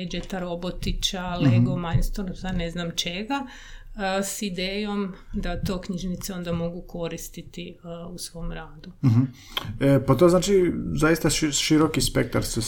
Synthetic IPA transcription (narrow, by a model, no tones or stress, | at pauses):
ed͡ʒet̪aɾo̞bo̞t̪it͡ʃaleɡomajnst̪onsane̞znamt͡ʃe̞ɡa | sid̪eːjo̞md̪at̪o̞ːkɲiʒnit̪seo̞nd̪amo̞ɡuko̞ɾist̪it̪iusʋo̞mɾaːd̪uɦ̩ | əpat̪oznaːt͡ʃizajist̪aʃʃiɾokispek̚t̪aɾse